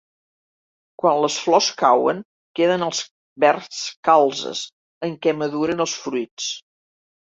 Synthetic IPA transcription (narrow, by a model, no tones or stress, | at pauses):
kwanləsflɔskawə̰ŋ | keðənəlˠs | βɛɾskalˠzə̰s | əŋkɛməðuɾənəlˠsfɾuijt͡s